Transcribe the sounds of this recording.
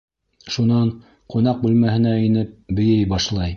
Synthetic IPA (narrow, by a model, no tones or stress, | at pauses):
ʃunɑɴ | qŏnɑq̚bʉlmæhɘ̆næinɘp̚bɵ̆jɘjbɑʃlˠɑj